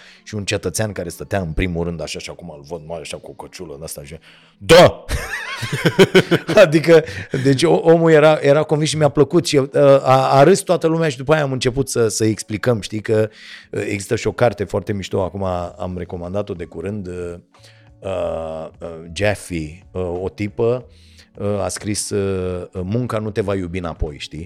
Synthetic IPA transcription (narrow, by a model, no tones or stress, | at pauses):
ʃiunt͡ʃe̞t̪ət̪seankaɾe̞st̪ət̪eaɨnpɾimuɾɨnd̪aʃaʃiakumalvəd̪̚maɾeaʃakuokət͡ʃulə̰nast̪aʒ | d̪a | ad̪ikəd̪e̞t͡ʃʲoʔomulje̞ɾaje̞ɾakonvinsʃimjapləkut̪ʃieəaaɾɨst̪oat̪əlumeaʃid̪upajaːmɨnt͡ʃe̞put̪səsəeksplikəmʃt̪ikəe̞ɡzi̥st̪əʃio̞kart̪e̞foart̪e̞miʃt̪oakumaa̰mre̞ko̞mand̪at̪o̞d̪e̞kuɾɨnd̪ə | ə | d͡ʒefiəo̞t̪ipə | əa̰skɾis | muŋkanut̪e̞vajubina̰po̞̰jʃt̪i